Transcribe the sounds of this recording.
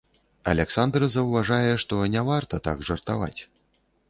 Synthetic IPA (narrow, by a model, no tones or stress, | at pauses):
ɐ̰lʲɛksand̪rɨzɐwvaʐajɛʂt̪ɔnʲavart̪ɐt̪a̰ɡʐɐrt̪ava̰t͡sʲ